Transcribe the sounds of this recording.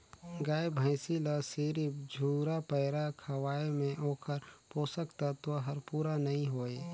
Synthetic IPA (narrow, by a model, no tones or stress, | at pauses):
ɡaːjbʱəɪsilasiːɾipd͡ʒʱuːɾapɛːɾakʰəwaːemẽʔoːkʰəɾpoːsəkt̪at̪oɦəɾpuːɾanɐɦĩɦoːeː